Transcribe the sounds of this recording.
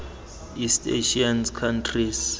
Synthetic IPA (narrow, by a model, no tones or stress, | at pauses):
istḛʃianskʰantʰris